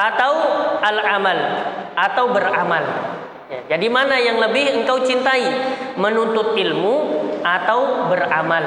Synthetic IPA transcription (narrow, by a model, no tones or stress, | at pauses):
ʔat̪awalamalʔat̪awbəramal | jad͡ʒadimanajaŋləbɪhəŋkawt͡ʃint̪aimənunt̪ʊt̪̚ilmuat̪awbəramal